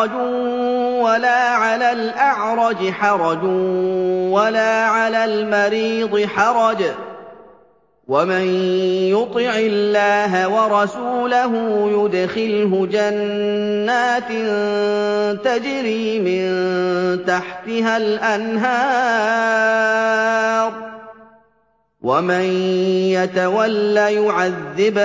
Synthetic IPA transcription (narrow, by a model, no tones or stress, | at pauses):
d͡ʒ | walaːʕalaːlʔaʕɾˤɑd͡ʒħɑɾˤɑd͡ʒ | walaːʕalaːlmɑɾiːd̪ˤɨħɑɾˤɑd͡ʒ | wamɪnjʊt̪ˤɪʕɪlːaːɦawɑɾˤɑsuːlaɦʊjʊd̪xɪlɦʊd͡ʒanː | aːt̪ɪn | t̪ad͡ʒɾiːmɪnt̪aħt̪ɪɦalʔanɦɑː | ɾˤ | wamanjat̪awalːaːjʊʕaðːɪb